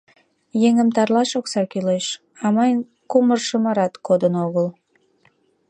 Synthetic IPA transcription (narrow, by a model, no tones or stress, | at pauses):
jeŋəmt̪ɑrlɑʃoksɑkyleʃ | ɑmɑjn | kumərʃəməɾɑt̪kod̪ənoɣəl